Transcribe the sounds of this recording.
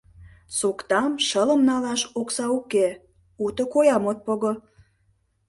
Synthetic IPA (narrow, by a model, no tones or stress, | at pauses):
sukt̪ɑmʃələ̆mnɑlɑʃuksɑuke | ut̪okojɑmot̪̚poɣo